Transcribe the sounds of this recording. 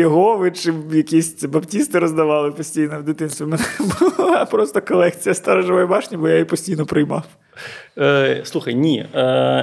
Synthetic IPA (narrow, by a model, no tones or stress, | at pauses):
jɔɦɔʋɪt͡ʃɪjɐkʲisʲbɐptʲist̪ɪɾɔzd̪ɐʋɑlˠɪpɔsʲtʲijnɔwd̪ɪt̪ɪnst̪ʋʲimɛnɛbʊlˠlˠɑpɾɔst̪ɔkɔlˠɛkt͡sʲijɐst̪ɑɾɐʒɐʋɔjbɑʃnʲibɔjajipɔsʲtʲijnɔpɾɪjmɑw | slˠuxɐjnʲi